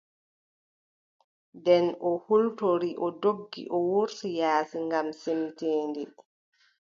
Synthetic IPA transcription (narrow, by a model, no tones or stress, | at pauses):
dɛnɔhultoɾiʔɔdoɡːḭʔɔwuɾsijaːsiŋɡamsemteːndi